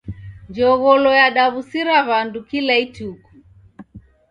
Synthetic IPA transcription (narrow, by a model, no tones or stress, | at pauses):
nd͡ʒɔɣɔlɔjaɗaβusiɾaβandukilaitukɔ̥